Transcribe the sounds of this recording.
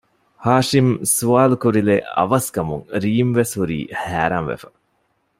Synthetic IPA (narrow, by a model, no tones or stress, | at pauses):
haːʂimsuʋaːlukuɾileɐ̰ʋɐskɐmuŋɾiːmʋeshuɾḭːhæːɾanʋḛfɐ̥